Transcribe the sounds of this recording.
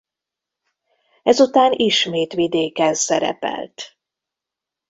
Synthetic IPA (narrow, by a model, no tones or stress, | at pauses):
ɛzut̪aːniʃmeːt̪ʋid̪eːkɛnsɛɾɛ̰pɛ̰lt̪